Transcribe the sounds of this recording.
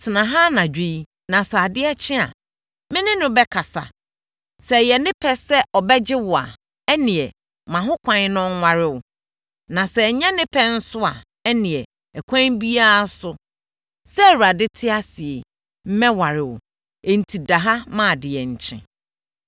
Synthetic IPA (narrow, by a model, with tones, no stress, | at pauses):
tʰɪ˨nã˨ɦa˦nã˨d͡ʑᶣe˦i˦ | nã˨sɛ˨a˨dɪ˦ɛ˦t͡ɕʰɪ̃˦a̰˨ | mɪ̃˦nɪ̃˦nʊ̃˦bɛ˦kʰa˨sa̰˨ | sɛ˨jɛ˨nɪ̃˦pʰɛ˦sɛ˦ʔɔ˨bɛ˦d͡ʑɪ˦wʊ˨a̰˨ | ɛ˦nɪ̃˨ɛ˨ | mã˨ɦʊ̃˦kʷʰã˦ɲ˦nʊ̃˦ŋː˦a˦ɾɪ˦wʊ˨ | nã˨sɛ˨ɲɛ̃˦nɪ̃˦pʰɛ̃˦n̩˦sʊ˦a˨ | ɛ˦nɪ̃˨ɛ˨ | ɛ˨kʷʰã˦bi˦a˦sʊ˦ | sɛ˦˨wu˨a˨dɪ˦tʰɪ˦a˦sɪ˨ɛ˨ | m̩˦mɛ̃˦wa˨ɾɪ˨wʊ̰˨ | e˨n̩˨tʰi˨da˨ɦa˦mã˦˨dɪ˨jɛ˨ɲ̩˨t͡ɕʰɪ̰̃˦